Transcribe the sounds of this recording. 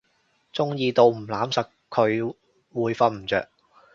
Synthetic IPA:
t͡sʊ˥ŋjiː˧t̪o˧wm̩˨˩laː˨˥msɐ˨k | kʰːɵ˨˧ɥ | wuː˨˧jfɐ˧n̚m̩˨˩t͡sœ̰ː˨k̚

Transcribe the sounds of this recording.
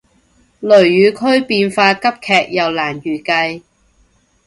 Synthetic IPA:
lɵ˨˩ɥjyː˨˧kʰɵ˥ɥpiː˧nfaː˧kɐ˥p̚kʰɛː˨k̚jɐ˨˩wlaː˨˩njyː˨˩kɐ˧j

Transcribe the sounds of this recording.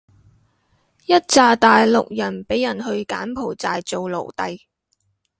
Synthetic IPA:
jɐ˥t̚t͡saː˧t̪aː˨jlʊ˨k̚jɐ˨˩npe˨˥jɐ˨˩nhɵ˧ɥka̰ː˨˥npʰo˨˩wt͡saː˨jt͡so˨wlo̰˨˩wt̪ɐ˧j

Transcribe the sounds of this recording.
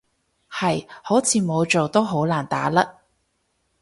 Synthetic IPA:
hɐ˨jho˨˥wt͡sʰiː˨˧mo˨˧wt͡ʃo˨wt̪o˥wɦo˨˥wlaː˨˩nt̪a̰ː˨˥lɐ˥

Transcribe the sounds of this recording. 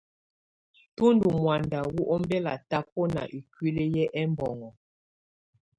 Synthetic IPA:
tu˦ndu˨mwa˨nda˨wu˦ʔɔ˦mbɛ˦la̰˨ta˦p̚ɔ˦na̰˨ʔi˨kwi˦le˦jɛ˦ʔɛ˦mbɔ˨ŋɔ˨

